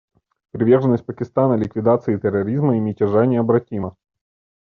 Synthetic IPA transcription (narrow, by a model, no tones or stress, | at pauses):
pɾʲɪvʲe̞rʐɨnːəsʲt̚ʲpəkʲɪst̪anəlʲɪkvʲɪd̪at̪sɨːt̪ərːɐɾʲizməimʲɪtʲɪʐanʲɪɐbɾɐtʲimə